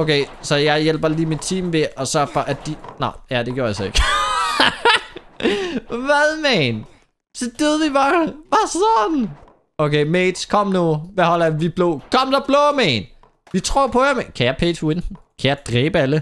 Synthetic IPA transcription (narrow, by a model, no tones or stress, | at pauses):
oʊkʰeɪsɒ̽jɑ̈ɪjel̰b̥ɐliːmid̥̚t͡sʰḭːmʋe̝ʔɒ̽sɶɐ̰fɒ̽ʔæd̥inɑjæd̥eɡjoɐælsɒe̝ɡ̥ | ʋæðˠmæn | sɒ̽d̥øðˠʋib̥ɑːʋæsɒn | okʰeːmeːd̥skʰɒ̽m̰noːʋæhɒl̰ʋib̥lo̰ːkʰɒ̽m̰d̥ɒb̥lɔːmɛn | ʋit͡sʰʁo̝̰ɐ̰pʰɒ̽jamkʰæjɑɪpʰḛd̥win | kʰæjɑ̈ɪd̥ʁɛːb̥əælə